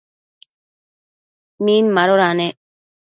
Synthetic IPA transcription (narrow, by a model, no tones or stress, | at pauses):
miːnmaɾoɾaːne